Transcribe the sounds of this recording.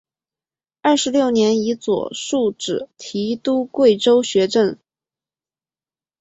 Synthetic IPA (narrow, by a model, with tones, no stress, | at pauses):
ɐ˞˥˩ʂɻ̩˧˥ljo˥˩ʊnjɛ˧˥ni˧˥t͡swɔ̰˨˩ʂu˥˩ʈ͡ʂɻ̩˨˩t̪ʰi˧˥t̪u˥kwe˥˩ɪʈ͡ʂo˥ʊɕɥɛ˧˥ʈ͡ʂə˥˩ŋ